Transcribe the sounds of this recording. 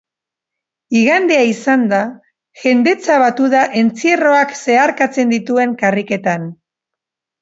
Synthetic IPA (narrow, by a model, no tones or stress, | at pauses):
iɣand̪e̞aisand̪a | ʝe̞nd̪e̞t͡saβat̪uðaʔe̞nt͡siero̞akse̞aɾkat͡se̞nd̪it̪ue̞ŋkarike̞t̪an